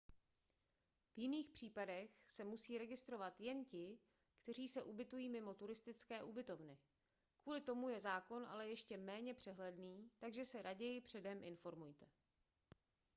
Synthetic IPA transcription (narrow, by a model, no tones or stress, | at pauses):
vjɪniːxpr̝̥iːpadɛxsɛmusiːɾɛɡɪst̪ɾo̞vat̪jɛncɪ | kt̪ɛr̝iːsɛʔubɪt̪ujiːmɪmo̞t̪uɾɪst̪ɪt͡skɛːʔubɪt̪o̞vnɪ | kuːlɪt̪o̞mujɛzaːko̞nʔa̰lɛjɛʃcɛmɛːɲɛpr̝̥ɛɦlɛdniːt̪aɡʒɛsɛɾʔaɟɛjɪpr̥ɛdɛmʔɪnfo̞ɾmujt̪ɛ